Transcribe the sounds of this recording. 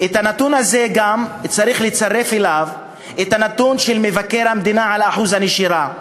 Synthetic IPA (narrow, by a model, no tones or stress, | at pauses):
ʔet̪hanat̪unaze̞ɡamt͡saʁiχlet͡saʁe̞felav | et̪hanat̪unʃelme̞vake̞ʁhamd̪inaʕalaħuzaneʃiʁa